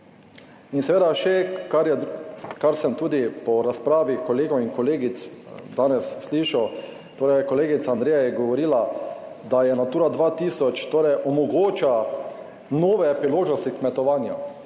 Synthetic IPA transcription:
insɛʋeːd̪aʃɛkaɾjɛkaɾsɛmt̪uːd̪ipɔɾaspɾaːʋikɔleːɡɔmiŋkɔleːɡit̪sd̪aːnɛsːliːʃaw | t̪oːɾɛjkɔleːɡit̪saːnd̪ɾeːjajɛɡɔʋɔɾiːla | d̪ajɛnat̪uːɾad̪ʋaːt̪isɔt͡ʃt̪oːɾɛjʔɔmɔɡoːt͡ʃa | noːʋɛpɾiloːʒnɔst̪ikmɛt̪ɔʋaːnja

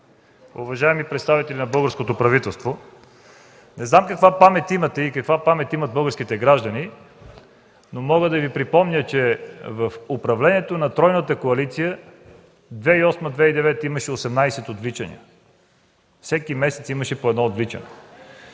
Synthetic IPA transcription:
ʊ̰vɐʒaɛmipɾɛt̪st̪avit̪ɛlʲinɐbɤlˠɡəɾskot̪opɾɐvit̪ɛlˠst̪vo | nɛznamkɐkvapamɛt̪ʲimɐt̪ɛikɐkvapamɛt̪imɐt̪̚bɤlˠɡəɾskit̪ɛɡɾaʒd̪ɐni | nomɔɡəd̪ɐvipɾipɔmnʲət͡ʃɛvəfʊpɾɐvlɛniɛt̪onɐt̪ɾɔjnət̪əkoɐlit̪sijə | d̪vɛiɔsməd̪vɛid̪ɛvɛt̪iməʃɛosɛmnajsɛt̪od̪vlit͡ʃɐnḭə | fsɛkimɛsɛt̪siməʃɛpoɛd̪nɔod̪vlit͡ʃɐ̰nɛ̰

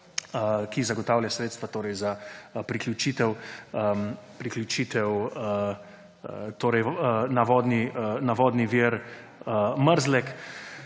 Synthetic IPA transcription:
kizaɡɔt̪aːwlʲjʲasɾeːt̪st̪ʋat̪oːɾɛjzapɾiklʲut͡ʃiːt̪ɛw | pɾiklʲjut͡ʃiːt̪ɛw | t̪oːɾɛjnaʋɔd̪ninaʋɔːd̪niʋiɾ | əməɾzlɛk

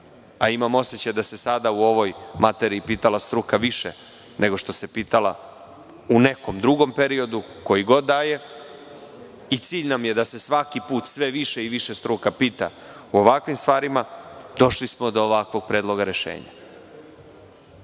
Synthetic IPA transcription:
aimamo̞se̞t͡ɕajd̪ase̞sad̪auo̞ʋo̞jmat̪eɾiːpiːt̪alast̪ɾukaʋiʃḛ | nʔe̞ɡo̞ʃt̪o̞sepiːt̪ala̰ | une̞ko̞md̪ɾuɡo̞mpe̞ɾio̞d̪u | ko̞jiɡo̞d̪ːaːje̞ | it̪siːʎnamje̞d̪ase̞sʋakipuːt̪sʋe̞ʋiʃeiʋiʃest̪ɾuːkapiːt̪a̰ | uoʋakʋimst̪ʋaːɾimad̪o̞ʃlismod̪o̞ːʋakʋo̞ɡ̚pɾeːd̪lˠo̞ɡaɾe̞ʃḛːɲa̰

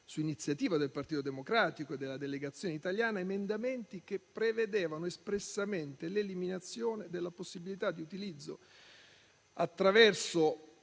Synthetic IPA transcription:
suinit̪sːjat̪iːvad̪elpart̪iːt̪od̪emokɾaːt̪ikoed̪ːelːad̪eleɡat̪sːjoːneit̪aljaːnaemend̪ament̪ikepːɾeved̪eːvanoespɾesːament̪eleliminat̪sːjoːned̪elːaposːibilit̪ad̪ːiut̪ilid̪zːo̰ | at̪ːɾavɛrso

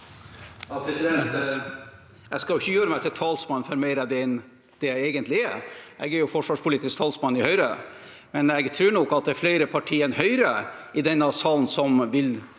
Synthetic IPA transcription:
pʰɾɛɛ | ɛskɑljʊɪçːəjøːɾəmæɪt̪ʰɪlt̪ʰɑːlsmɑnːfœɾmæɪɾæd̪ɛn | d̪̥ɛæɪeːɡənt̪ʰlɪɛʔɛ̰ɡæɾjʊfɔʂʋɑːʂpʰʊliːt̪ɪsk̚t̪ʰɑːlsmɑnːɪhœʏɾə | mɛnɛɡt̪ʰɾʉːɳɔkːɑt̪̚d̪ɛæfleɪɾəpʰɑʈʰiːɛnhœʏɾəɪd̪ɛnːɑsɑːln̩sɔmʋɪl

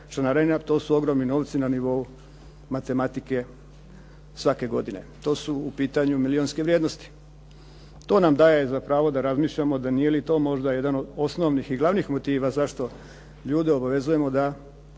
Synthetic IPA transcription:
ʃanaɾanat̪o̞ːsuo̞ɡɾo̞mnino̞ːʋt̪sinaniʋo̞u | mat̪e̞mat̪ike̞ | sʋake̞ɡo̞d̪ine̞̰t̪o̞ːsuːpiːt̪aɲumilio̞nske̞ʋɾʲjeːd̪no̞st̪i̥ | t̪o̞ːnamd̪aːjejezapɾaːʋo̞d̪aɾazmiːʃʎamo̞d̪aniːjelit̪o̞ːmo̞ʒd̪aje̞d̪anod̪o̞sno̞ʋnixiɡlˠaʋnixmo̞t̪iːʋazaʃt̪o̞ | ʎuːd̪io̞baʋe̞zuje̞mo̞d̪a

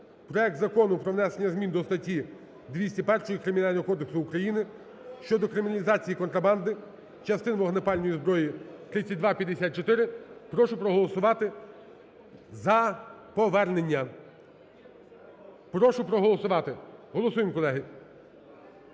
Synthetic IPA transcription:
pɾɔɛk̚t̪zɐkɔnʊpɾɔʋnɛsenʲːɐzmʲind̪ɔst̪ɐtʲːi | d̪ʋʲisʲtʲipɛrʃɔjikɾɪmʲinɑlʲnɔɦɔkɔd̪eksʊːkɾɐjinɪ | ʃt͡ʃɔd̪ɔkɾɪmʲnɐlʲizɑt͡sʲijikɔnt̪ɾɐbɑnd̪ɪ | t͡ʃɐst̪ɪnʋɔɦnepɑlʲnɔjizbɾɔjit̪ɾɪt͡sʲːɐt̚ʲd̪ʋɑpʲjɐd̪esʲat̚t͡ʃɔt̪ɪɾɪpɾɔʃʊpɾɔɦɔlˠɔsʊʋɑt̪ɪ | zɐpɔʋɛrne̞nʲːɐ | pɾɔʃʊpɾɔɦɔlˠɔsʊʋɑt̪ɪɦɔlˠɔsujɪmkɔlˠɛɦɪ

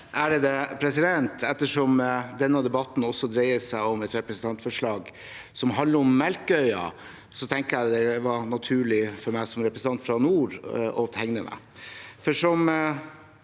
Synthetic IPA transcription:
ʔæɖɛd̪ɛpʰɾɛsɪd̪ɛnt̪ɛt̪ːəʂɔmd̪ɛnːəd̪ɛbɑt̪n̩ɔsɔd̪ɾeɪəsæɪɔmɛt̪ɾɛpɾɛsn̩t̪ɑnt̪fɔʂɭɑːɡ | sɔmɦɑnd̪əɾɔmːɛlkəœʏɑ̰ | sɔt̪ʰɛŋkəɾjæɪd̪ɛʋɑnɑt̪ʰʉːɭɪfɔɾmæɪsɔmɾɛpɾəsn̩ɑnt̪fɾɑnuːɾɔ̰t̪ɛŋnəmʔæ̰ | fɔʂɔm

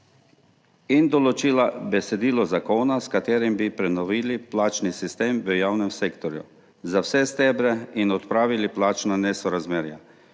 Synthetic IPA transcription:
ind̪ɔlɔt͡ʃiːlabɛsɛd̪iːlɔzakoːnaskat̪eːɾimbipɾɛnɔʋiːliplaːt͡ʃnisist̪eːmʋəjaːwnɛmsekt̪ɔɾjṵ | zawsɛst̪ɛbɾɛinɔt̪pɾaːʋiliplaːt͡ʃnanɛsɔɾazmeːɾja

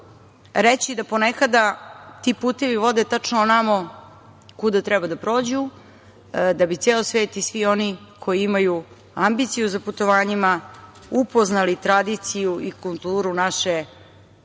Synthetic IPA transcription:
ɾet͡ɕid̪apo̞nekad̪at̪ipuːt̪eʋiʋo̞d̪et̪at͡ʂnoonamo | kud̪at̪ɾɛbad̪apɾo̞ːd͡ʑu | d̪abit̪seːlosʋe̞ːt̪isʋio̞nikʰo̞jiimaju | ambit̪sijuzaput̪o̞ʋaːɲima | upo̞znalit̪ɾad̪it̪sijuʔikulˠt̪uːɾunaʃe

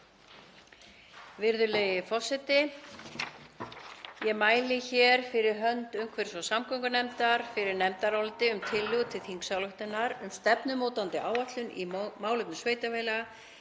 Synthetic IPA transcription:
vɪɾðʏleːjɪfɔsɛt̪ɪ | jɛmaːjlɪçɛɾ̥fɪɾɪɾɦœnt̪ʏmkʰvɛɾ̥svɔsamkʰɔwŋkʏnɛmt̪aɾ̥fɪɾɪɾnɛmt̪aɾɔlt̪ɪʏmt̪ʰɪlːʏɣt̪ʰɪlθiŋksalʏht̪ɪnaɾʏmst̪ɛpnʏmoːwt̪ant̪ɪʔaːwat̪lʏnḭmaːwlʏpnʏsveːjt̪aveːjlɛɣa

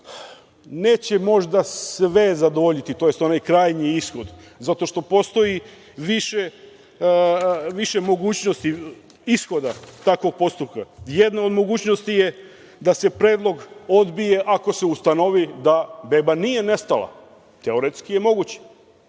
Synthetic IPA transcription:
ne̞ːt͡ɕemo̞ʒd̪asʋezad̪oʋoʎit̪it̪o̞jest̪o̞najkɾaːjɲiisxo̞d̪zat̪o̞ʃt̪o̞po̞st̪o̞ji | ʋiʃe | ʋiʃe̞mo̞ɡuːt͡ɕno̞st̪i | isxo̞d̪at̪akʋo̞ɡ̚po̞st̪upkajed̪nao̞d̪mo̞ɡuːt͡ɕno̞st̪ije | d̪ase̞pɾeːd̪lˠo̞ɡod̪bije̞ʔako̞se̞ust̪ano̞ʋid̪abe̞banijene̞st̪alˠa̰ | t̪eoɾet̪skije̞mo̞ɡut͡ɕe̥

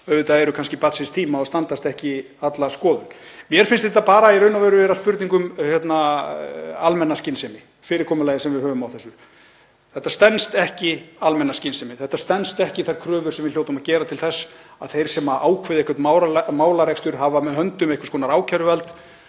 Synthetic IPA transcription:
œvʏt̪aɛɾʏkʰanscɪpat̪sɪnst̪ʰiːmaɔst̪ant̪ast̪ɛhcɪ | at̪laskɔːðʏŋmjɛɾ̥fɪnst̪ɛht̪apaːɾaiɾœɥnavœːɾʏvɛːɾaspʏɾt̪niŋkʏmhjɛt̪na | almɛnːascɪnsɪmɪ | fɪːɾɪɾkʰɔːmʏlajðɪsɛmvɪðhœːvʏmawθɛsːʏ | θɛht̪ːast̪ɛnst̪ɛhcɪalmɛnːascɪnsɪmɪθɛht̪ast̪ɛnst̪ɛhcɪθajɾ̥kʰɾœːvʏ̥sɛmvɪɾljowt̪ʏmaðcɛːɾat̪ʰɪlθɛsːaðθejɾ̥sɛmaʔaːwkʰvɪðehkvʏɾt̪mawɾamaːwlarɛkst̪ʏɾ̥ɦaːvamɛðhɦœnt̪ʏmejhkʏ̥skʰɔnaɾaːwcʰaɾʏvɛlt̪

